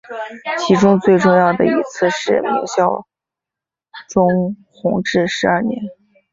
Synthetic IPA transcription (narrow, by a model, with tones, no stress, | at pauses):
t͡ɕʰi˧˥ʈ͡ʂʊ˥ŋt͡swe˥˧ɪʈ͡ʂʊ˥˧ŋjɑ˥˩ʊd̪ə̰˩i˧˥t͡sʰɹ̩˥˧ʂɻ̩˥˩mḭ˧˥ŋɕjɑ˥˩ʊ | ʈ͡ʂʊ˥ŋxʊ˧˥ŋʈ͡ʂɻ̩˥˩ʂɻ̩˧˥ɐ˞˥˩njɛ̰˧˥n